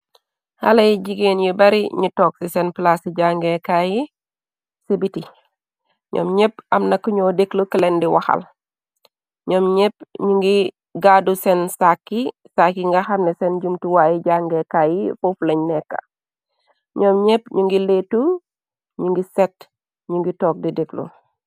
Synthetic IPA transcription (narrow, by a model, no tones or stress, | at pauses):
ha̰lɐjiɟiɡenjibɐɾiɲitɔːksisenplasiɟaːŋɡekaji | sibiti | ɲʔɔ̰ːmɲepɐmnɐkːuɲoːdeklukilendiwɐ̰xɐ̰l | ɲɔːmɲep̚ɲuŋɡi | ɡaːdusɛnsakːi | sakːiŋɡɐxɐmnɛsɛnɟumtuwaːjiɟaːŋɡɛkaːjifoflɐɲnɛkːɐ̰ | ɲɔːmɲepɲuŋɡileːtːu | ɲuŋɡisɛt̚ | ɲuŋɡitɔːk̚dideklṵ